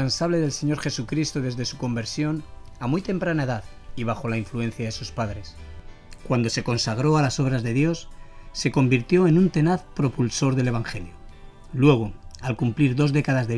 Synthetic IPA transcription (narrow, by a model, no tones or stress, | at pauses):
ansaβle̞ðe̞lse̞ɲo̞ɾxe̞sukɾist̪oðe̞zðe̞suko̞mbe̞ɾsjo̞n | amujt̪e̞mpɾanae̞ðað | iβ̞axo̞laiɱfluẽ̞n̟θjaðe̞suspaðɾe̞skwand̪o̞se̞ko̞nsaɣ̞ɾo̞alaso̞β̞ɾazðe̞ðjo̞sːe̞ko̞mbiɾt̪jo̞e̞nunt̪e̞naθpɾo̞pulso̞ɾðe̞le̞β̞aŋxe̞ljo | lwe̞ɣ̞oalkumpliɾðo̞zðe̞kaðazðe